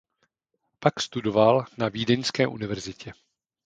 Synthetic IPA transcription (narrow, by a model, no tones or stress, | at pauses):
pakst̪udo̞valnaviːdɛnskɛːʔunɪvɛɾzɪcɛ